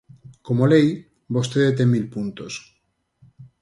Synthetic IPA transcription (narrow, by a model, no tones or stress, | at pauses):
komolej | bost̪eðet̪̬emilpunt̪os